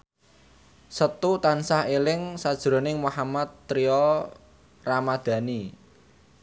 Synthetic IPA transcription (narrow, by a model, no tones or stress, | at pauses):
sət̪ut̪ansahelɪŋsad̥ʒ̥ɾo̤nɪŋmuhamat̪ːɾiɔ | ramad̪̥ä̤ni